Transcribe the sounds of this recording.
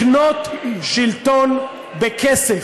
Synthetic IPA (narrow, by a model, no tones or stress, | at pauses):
not̪ʃilt̪on | bekʰɛse